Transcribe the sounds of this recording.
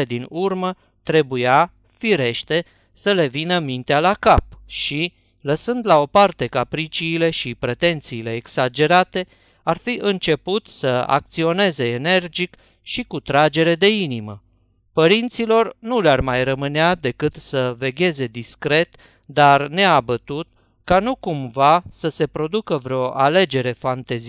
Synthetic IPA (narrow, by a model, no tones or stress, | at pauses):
ed̪inurmə | t̪ɾe̞buja | fiɾe̞ʃt̪e̞ | səle̞vinəmint̪ealakap̚ʃi | ləsɨnd̪lao̞part̪e̞kapɾit͡ʃiːle̞ʃipɾe̞t̪e̞nt̪siːle̞ːksad͡ʒe̞ɾat̪e̞ | arfiʔɨnt͡ʃe̞put̪səa̰k̚t̪sio̞ne̞ze̞ːne̞rd͡ʒik | ʃikut̪ɾad͡ʒe̞ɾe̞d̪e̞inimə | pəɾint̪silo̞rnulearmajrəmɨnead̪e̞kɨt̪səve̞ɡʲe̞ze̞d̪iskɾe̞t̪ | d̪arne̞abət̪ut̪̚ | kanukumvasəse̞pɾo̞d̪ukəvɾeo̞ʔale̞d͡ʒe̞ɾe̞fant̪ez